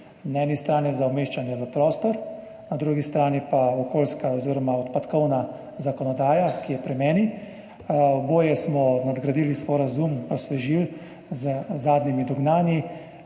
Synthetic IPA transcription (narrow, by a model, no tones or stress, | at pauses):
naɛːnist̪ɾaːniɛzawmeːʃt͡ʃanjɛʋəpɾɔːst̪ɔɾ | nad̪ɾuɡist̪ɾaːnipaɔkoːlskaɔziːɾɔmaɔt̪pat̪kɔwna | zakɔnɔd̪aːjakijɛpɾɛmɛːni | boːjɛsmɔnad̪ɡɾad̪iːlispɔɾazumɔsɛʒil | zəzaːd̪nimid̪ɔɡnaːnji